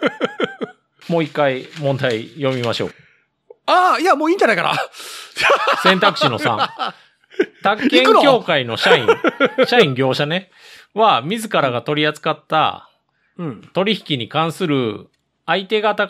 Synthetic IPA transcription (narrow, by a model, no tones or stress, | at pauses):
mo̞ːikːaimõ̞nd̪aijo̞mʲimaɕo̞̰ː | aːiamoːĩːɲd͡ʑanaijka̰ɾa̰ | sẽnt̪akɯ̟ɕino̞sã̰ | t̪akːẽŋɯnokʲjo̞ːkaino̞ɕaĩɕaĩŋɡʲo̞ːɕane̞ | βamʲizɨkaɾaɡat̪o̞ɾʲiat͡sɨ̥kat̪ːa̰ | t̪o̞ɾʲiçi̥kʲiɲ̟ikãɰ̃sɨɾɯ̟ | ait̪e̞ɡat̪a